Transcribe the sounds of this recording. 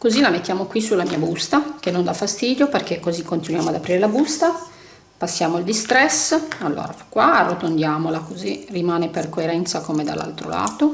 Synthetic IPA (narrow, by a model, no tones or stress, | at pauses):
kozilamet̪ːjaːmokwisulamiːabust̪akenːond̪afast̪iːd̪joperkekːozikːont̪inwjaːmoad̪apɾiːɾelabust̪a | pasːjaːmoild̪ist̪ɾɛsalːo̰ːɾafakwaarːot̪ond̪jaːmolakozirimaːneperkoeɾɛnt̪sakomed̪a̰lːa̰lt̪ɾo̰la̰ːt̪o